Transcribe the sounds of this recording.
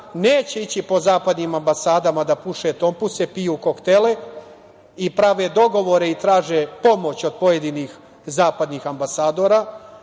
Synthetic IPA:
neːt͡ɕe̞it͡ɕipo̞zaːpad̪niːmambasaːd̪amad̪apuʃet̪o̞mpusepijuko̞kt̪ele | ipɾaʋed̪o̞ɡo̞ʋo̞ɾe̞it̪ɾaːʒepo̞mo̞t͡ɕo̞d̪̚po̞je̞d̪iniːx | zaːpad̪niːxambasaːd̪o̞ːɾaː

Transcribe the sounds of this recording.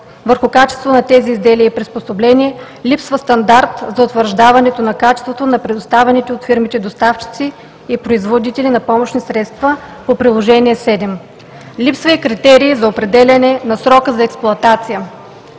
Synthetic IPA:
vəɾxʊkat͡ʃɛ̥st̪vot̪onɐt̪ɛziːzd̪ɛliəipɾisposoblɛniɛ | lʲipsvəst̪ɐnd̪aɾt̪zɐʊt̪vəɾʒd̪avɐnɛt̪onɐkat͡ʃɛ̥st̪vot̪onɐpɾɛd̪ost̪avɛnit̪ɛot̪fiɾmit̪ɛd̪ost̪aft͡ʃi̥t̪siː | pɾoizvod̪it̪ɛlinɐpɔmoʃnisɾɛt̪st̪vəpopɾilˠoʒɛniɛsɛd̪ɛm | lipsvɐikɾit̪ɛɾiːzɐopɾɛd̪ɛlʲɐnɛnɐsɾɔkəzɐɛksplˠʊɐt̪at̪sijə

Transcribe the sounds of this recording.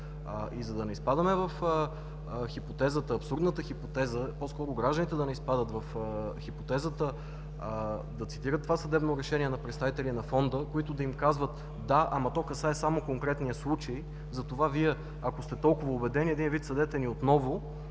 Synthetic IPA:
ʔizɐd̪ɐnɛispad̪əmɛvɐfə | xipot̪ɛzət̪əɐpsuɾd̪nət̪əxipot̪ɛzəposkɔɾʊɡɾaʒd̪ənit̪ɛd̪ɐnɛispad̪ət̪vɐfxipot̪ɛzət̪ə | d̪ɐt̪si̥t̪iɾət̪ːovasɐd̪ɛbnoɾɛʃɛnʲiɛnɐpɾɛt̪st̪avit̪ɛlʲinɐfɔnd̪əkoit̪ʊd̪ɐimkazvət̪ | d̪aʔamɐt̪ɔkɐsaɛsamokoŋkɾɛt̪nijəslˠut͡ʃəj | zɐt̪ovaviɛ | ɐkost̪ɛt̪ɔlˠkʊvəobɛd̪ɛnʲiɛd̪invit̪sɐd̪ɛt̪ɛniot̪nɔvo

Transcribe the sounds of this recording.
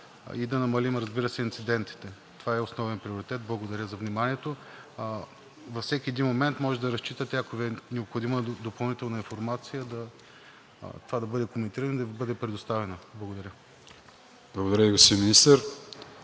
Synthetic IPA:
id̪ɐnɐmɐlimɾɐzbiɾəsɛint̪sid̪ɛnt̪i̥t̪ɛ | t̪ovaɛosnɔvɛnpɾioɾit̪ɛt̪̚blˠɐɡod̪ɐɾʲəzɐvnimaniɛt̪o | vɐfsɛkʲiɛd̪inmomɛnt̪mɔʒɛd̪ɐɾɐst͡ʃit̪ət̪ɛɐkovɛnɛopxod̪iməɛd̪opɐlˠnit̪ɛlˠnɐinfoɾmat̪sijəd̪ɐ | t̪ovad̪ɐbɤd̪ɛkomɛnt̪iɾənoid̪ɐbɤd̪ɛpɾɛd̪ost̪avɛnəblˠɐɡod̪ɐɾʲə | blˠɐɡod̪ɐɾʲəiɡospiinminist̪əɾ

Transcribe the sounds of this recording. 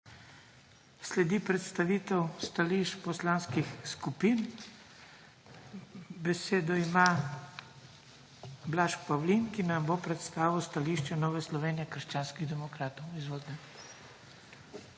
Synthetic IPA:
slɛd̪ipɾɛt̪st̪aʋiːt̪ɛwst̪aliʃt͡ʃpɔslanskixskupin | bɛseːd̪ɔima | blaʃkpawlinkinambopɾɛt̪st̪aːʋiwst̪aliʃt͡ʃɛnɔːʋɛslɔʋeːnijɛkəɾʃt͡ʃaːnskiɣd̪ɛmɔkɾaːt̪ɔwizʋoːd̪nɛ

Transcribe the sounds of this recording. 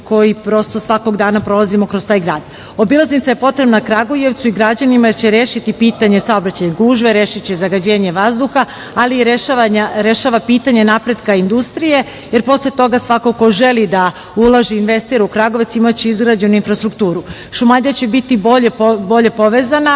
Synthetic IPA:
ko̞jipɾo̞st̪o̞sʋako̞ɡd̪aːnapɾo̞lˠazimo̞kɾost̪aːjɡɾaːd̪ | o̞bilˠaznit̪ajepo̞t̪ɾe̞bnakɾaɡoje̞ʋt̪suiɡɾad͡ʑanimat͡ɕe̞ɾeːʃit̪ipiːt̪aɲe̞sao̞bɾat͡ɕajeɡuːʒʋeɾe̞ːʃit͡ɕe̞zaɡad͡ʑe̞ːɲe̞ʋazd̪uxa | aliɾeʃaaɲaɾeʃaʋapiːt̪aɲe̞napɾe̞d̪kaind̪ust̪ɾije̞ | je̞ɾpo̞slet̪o̞ɡasʋakoko̞ʒe̞lid̪a | ulˠaʒiinʋe̞st̪iɾukɾaɡo̞ʋt̪simat͡ɕeizɡɾad͡ʑeninfɾast̪ɾukt̪uːɾu | ʃumad̪ijat͡ɕe̞bit̪iboʎebo̞ʎe̞po̞ʋe̞zana

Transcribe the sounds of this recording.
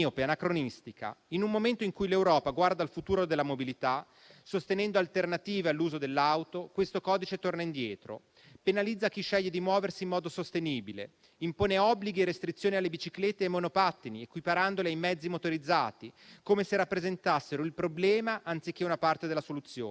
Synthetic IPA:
opeanakɾonist̪ika̰inummoment̪oiŋkujlewɾɔːpaɡward̪alfut̪uːɾod̪elːamobilit̪a | sost̪enɛnd̪oalt̪ernat̪iːvealːuːzod̪elːawt̪okwest̪okɔːd̪it͡ʃet̪ornaind̪jɛːt̪ɾo̰ | penalid̪zːak̟iʃːɛʎːed̪imwɔːversiːmːɔːd̪osost̪eniːbilḛ | impoːneɔbːliɡieɾːest̪ɾit̪sːjoːnialːebit͡ʃiklet̪ːeːmːonopat̪ːiniekwipaɾand̪oleajmɛd̪zːimot̪oɾid̪zːa̰ːt̪ikomeseɾapːɾezent̪asːeɾoilpɾoblɛːmaʔant̪sik̟ːeunapart̪ed̪elasolut̪sːjo̰ː

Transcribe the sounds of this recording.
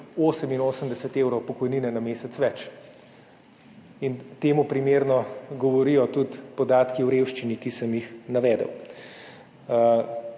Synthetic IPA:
oːsəminoːsəmd̪ɛsɛt̪eːwɾɔwpɔkɔjniːnɛnameːsɛt̪sʋɛt͡ʃ | int̪eːmupɾimeːɾnɔɡɔʋɔɾijɔt̪ut̪pɔd̪aːt̪kiwɾeːwʃt͡ʃinikisəmjixnaʋɛːd̪ə̰w

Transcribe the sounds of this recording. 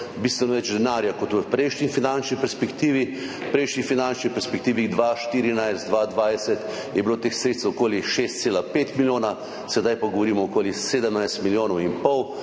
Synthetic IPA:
biːst̪ʋɛnɔʋɛt͡ʃd̪ɛnaɾjakɔt̪ʋəpɾɛjʃnifinant͡ʃnipɛɾspɛkt̪iːʋi | pɾɛjʃnixfinant͡ʃnipɛɾspɛk̚t̪iːʋiɣd̪ʋaʃt̪iːɾinajst̪d̪ʋaːd̪ʋajsɛt̪ | jɛbilot̪exsɾet̪sokoːliʃest̪seːlapeːt̪miljoːna | sɛd̪ajpaɡɔʋɔɾiːmɔɔkoːliseːd̪əmnajst̪miljoːnɔwimpɔw

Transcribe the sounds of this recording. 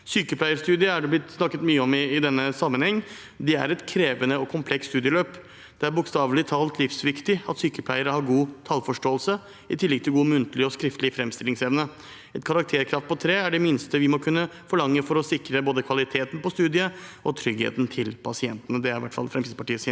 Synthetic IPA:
syːkəplæɪəst̪ʉːd̪ɪəæɖɛblɪt̪ːsnɑkːət̪myːəɔmɪɪd̪ɛnːəsɑmːənhɛŋː | d̪ɛæ̰ɾɛt̪kʰɾeːʋənəɔkʰʊmpʰlɛksst̪ʉːd̪ɪəløːp | d̪̥ɛæɾbʊkst̪ɑːʋlɪt̪ʰɑːlt̪lɪfsʋɪkt̪ɪɑt̪syːkəpʰlæɪəɾəhɑɾɡuːt̪ʰɑlfɔʂʈoːəlsə | ɪt̪ʰɪlːɪɡ̚t̪ʰɪlɡuːmʉnt̪əlɪɔskɾɪft̪lɪəfɾɛmst̪ɪlɪŋsɛʋnə | ɛt̪kʰɑɾɑk̚t̪ʰeːɾkʰɾɑft̪̚pʰɔt̪ʰɾeːæɖɛmɪnst̪əʋɪmɔkʰʉnːəfɔɭɑŋːəfɔɾɔsɪkɾəboːd̪əkʰʋɑlɪt̪ʰeːt̪n̩pɔst̪ʉːd̪ɪəɔt̪ʰɾʏɡhḛːt̪n̩t̪ʰɪlpʰɑsɪɛnt̪ənəd̪ɛæɾɪʋæʈːfɑ̰lfɾɛmsid̪əpʰɑʈiːəsiː

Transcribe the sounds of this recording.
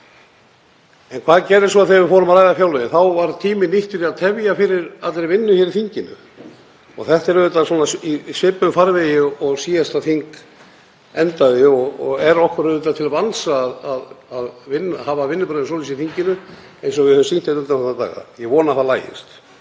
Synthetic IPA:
ɛnkʰvaːðcɛːɾɪɾsɔaθevɪɾfɔːɾʏmaɾaːjðafjawlɛɪnθawvaɾt̪ʰiːmɪniht̪ʏɾiaðt̪ʰɛvjafɪɾɪɾat̪ɾeɪjvɪnːʏçɛːɾɪθiɲcɪnʏ̰ | ɔ̰ɣθɛht̪ɛɾœðʏt̪asɔːnaisɪpːʏmfaɾvɛjɪɔɔɣsiːjast̪aθiŋk | ɛnt̪aðɪɔɣɔɣɛɾɔhkʏɾœðʏt̪at̪ʰɪlavansaːðaðaðvɪnːhaːvavɪnːʏpɾaðʏnsɔːlis̬iθiɲcɪnʏ | ejnsɔɣvɪðhœvʏmsin̥t̪et̪ʏnt̪anθɛt̪ːat̪a̰ːɣa̰jɛɣvɔːnaθalaːjɪ̰st̪

